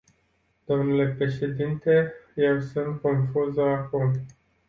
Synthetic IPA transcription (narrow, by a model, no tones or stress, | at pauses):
d̪̥o̞mnule̞pɾe̞ʃe̞d̪int̪e̞je̞wsunt̪̚ko̞nfuzəakum